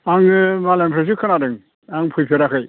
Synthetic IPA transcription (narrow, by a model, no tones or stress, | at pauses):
aŋmalempʰɾes̬ɯkʰɯnadɯŋ | aŋpʰɯjpʰeɾakʰɯj